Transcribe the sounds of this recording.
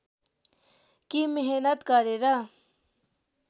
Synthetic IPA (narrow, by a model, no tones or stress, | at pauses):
kimeɦenət̪kaɾeɾa